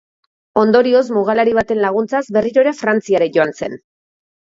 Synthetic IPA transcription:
o̞nd̪o̞ɾio̞smuɣ̞alaɾiβ̞at̪e̞nlaɣ̞unt͡sazbe̞riɾo̞ɾafɾant͡siaɾeʝo̞anse̞n

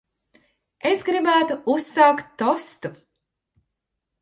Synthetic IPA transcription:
e̞sɡɾibæːt̪uusaːkt̪ːɔst̪u

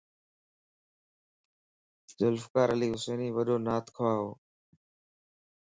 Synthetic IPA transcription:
zʊlfkaːɾəliːɦʊseːniːʋəɗoːnaːt̪ʰkʰʊaːɦoː

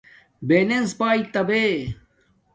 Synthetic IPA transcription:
benenspaːit̪ɐbe

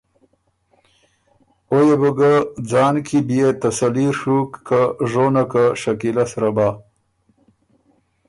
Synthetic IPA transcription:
ojebəɡad͡zɑːnkʰibijet̪asaliɾʂukːʰaʐonakaʂakilasɾaba

